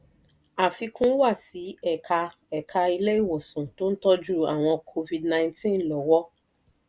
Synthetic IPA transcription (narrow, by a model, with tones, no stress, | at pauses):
a˨fi˧kũ˦wa˦˨si˨˦ɛ˦˨kʰa˧ | ɛ˨kʰa˧i˧le˦i˦˨wɔ˨sũ˨to˦n̩˦tɔ˦d͡ʒu˦a˦˨w̃ɔ̃˧kʰo˧vi˧dnã˧j̃tĩ˦˨˦lɔ˨wɔ˦